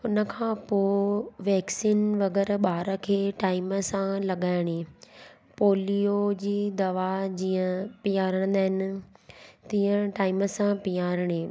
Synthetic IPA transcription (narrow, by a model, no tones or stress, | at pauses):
ʊnə̆kʰãːpoːʋɛːksiːnʋɐɣɛɾɓaːɾə̆kʰeːʈaːɪməsãlɐɠaːɪɽ̃e | poːlijod͡ʑiːd̪ɐʋad͡ʑiːə̃pijaːɾəɽ̃nd̪aːɦɪnɪ̆ | t̪iːə̃ʈaːɪməsãpijaːɾəɽ̃eː